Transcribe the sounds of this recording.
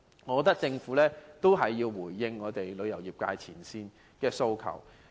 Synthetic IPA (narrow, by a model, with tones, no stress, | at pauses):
ŋɔ˨˧kɔ˧t̪ɐ˥k̚t͡sɪ˧ŋfuː˨˥lɛː˥t̪o˥wɦɐ˨jːiː˧wwuː˨˩jːɪ˧ŋːɔː˨˧t̪e˨jlɵ˨˧ɥjɐ˨˩wjiː˨˩p̚ka̰ː˧jt͡sʰiː˨˩nsiː˧n | kɛː˧so˧wkʰɐ̰˨˩w